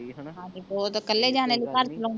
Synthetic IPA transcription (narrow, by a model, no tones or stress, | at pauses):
ɦãːd͡ʒibɔːt̪kəlːed͡ʒaːnelikaɾt͡ʃəlõː